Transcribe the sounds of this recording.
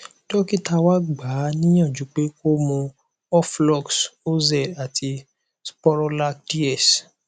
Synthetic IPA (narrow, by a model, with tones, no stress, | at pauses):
tɔ˦ki˦ta˧wa˦ɡ͡ba˨˦nĩ˦j̃ã˦˨d͡ʒu˨˦k͡pe˦ko˦mɔ̃˧ | ɔ˦flɔ˦˨kso˦zɛ˦˨a˨ti˧ | spɔ˦ɾɔ˦la˦kdi˦ɛ˦˨s